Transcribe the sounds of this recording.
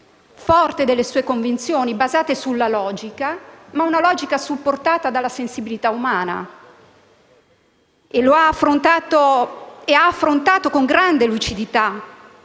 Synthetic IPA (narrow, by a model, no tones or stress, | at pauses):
fɔrt̪ed̪elːesuːekoɱvint̪sjoːnibazaːt̪esulːalɔːd͡ʒikamaunalɔːd͡ʒikasupːort̪aːt̪ad̪alːasensibilit̪aumaːna̰ | eloaːfːɾont̪aːt̪oeaːfːɾont̪aːt̪okoŋɡɾand̪elut͡ʃid̪it̪a